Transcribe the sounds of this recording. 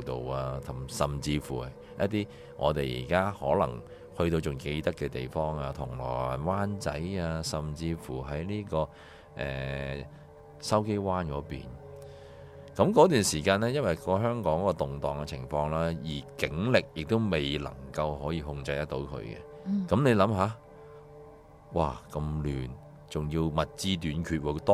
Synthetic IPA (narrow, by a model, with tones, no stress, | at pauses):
t̪o˨waː˧t̪ʰɐ˨˩msɐ˨mt͡siː˧fuː˨˩ | jɐ̰˦˥t̚t̪iː˥ | ŋʔɔ̰ː˨˧t̪e˨jjḭː˨˩kaː˥hɔː˨˥lɐ̰˨˩ŋ | hɵ˧ɥt̪o˧wt͡ʃʊ˨˩ŋke˧jt̪ɐ˥kːɛ˧t̪e˨jfɔː˥ŋaː˧t̪ʰʊ˨˩ŋlɔ̰ː˨˩jwaː˥nt͡sɐ̰˨˥jaː˧sɐ˨mt͡siː˧fuː˨˩ɦɐ˨˥jniː˥kɔː˧ | ʔɛ̰ː˨ | sɐ˥wke˥jwaː˥nkɔː˨˧˥pḭː˨n | kɐ˨˥mkɔː˨˥t̪yː˨˩nsiː˨˩kaː˧nɛː˥jɐ˥nwɐ˨jkɔː˧ɦœː˥ŋkɔː˨˥ŋɔ˦˥kːɔː˧t̪ʊ˨˩ŋt̪ɔː˨˩ŋkɛ˧t͡sʰɪ̰˨˩ŋfɔː˧ŋlaː˥jiː˨˩kɪ˨˥ŋlɪ˨k̚jɪ˨k̚t̪o˥wme˨jlɐ̰˨˩ŋkɐ˧wɦɔː˨˥jiː˨˧ɦʊ˧ŋt͡sɐ˧jt̪ɐ˥k̚t̪o˨˥wkʰɵ̰˨˧ɥkɛ̰˧ | kɐ˨˦mne˨˧jlɐ˨˥mɦaː˨˥ | waː˨˩kɐ˧mlyː˨˩n | t͡sʊ˨ŋjiː˧wmɐ˨t̚t͡siː˧t̪̬yː˨˥nkʰyː˧t̚wɔ˨˧t̪ɔ˥